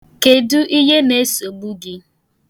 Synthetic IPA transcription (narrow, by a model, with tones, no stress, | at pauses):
ke˨du˦ʔi˦ɦe˦ne˦so˨ɡ͡bu˦ɡɪ˦